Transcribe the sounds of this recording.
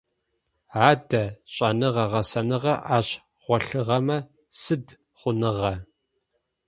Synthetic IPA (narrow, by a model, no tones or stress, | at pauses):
aːdɐɕʼɐnɨʁɐʁɐsɐnɨʁɐʔaːɕ | ʁʷɔɬɨʁɐmɐ | sɨd | χʷʊnɨʁɐ